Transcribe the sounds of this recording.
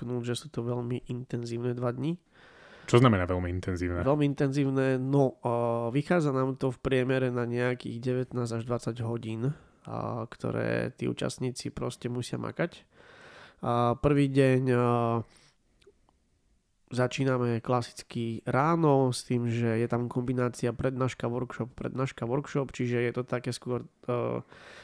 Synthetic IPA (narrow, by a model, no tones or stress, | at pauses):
knuʒɛsuːt̪ɔʋɛʎmiʔint̪ɛnziːʊnɛd̪ʋad̪ɲi | t͡ʃɔznamɛnaːʋɛlmiint̪ɛnziːʊnɛʋɛlmiint̪ɛnziːʊnɛnɔʋixaːd͡zanaːmt̪ɔfpɾɪɛmɛɾɛnaɲɛakḭːɣɟɛʋɛt̪naːzaʒd̪ʋat͡saɟɦɔɟiːn | kt̪ɔ̰ɾɛ̰ːt̪iːṵːt͡ʃa̰st̪ɲiːt͡sipɾɔscɛmusɪa̰ma̰kac | pr̩ʋiːɟɛɲ | zat͡ʃiːnamɛklasi̥t͡skiɾaːnɔst̪iːmʒɛjɛt̪amkɔmbinaːt͡siapɾɛd̪naːʃkaʋɔɾkʃɔppɾɛ̰d̪naːʃkaʋɔɾkʃɔpt͡ʃiʒɛjɛt̪ɔt̪akɛːskʊɔɾ